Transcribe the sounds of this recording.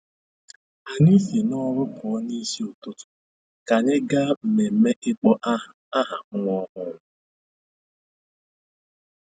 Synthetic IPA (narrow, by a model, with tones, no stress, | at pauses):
a˨ni˦si˨nɔ˦ɾʊ˦pʰɔ˨˦ni˦si˦o˨tʊ˦tʊ̥˨ | ka˨ɲe˦ɡa˦m̩˨me˨me˦ʔɪ˦k͡pɔ˦ʔa˦ɦa˨m̩˦ŋʷɔ˦ɦʊ˦ŋʷʊ˦